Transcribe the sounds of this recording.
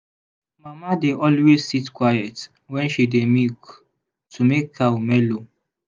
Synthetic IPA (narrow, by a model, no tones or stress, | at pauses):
mamadeʔɔlwezsitkwajɛt | wɛ̃nʃidemik | tʰumekhaumɛlo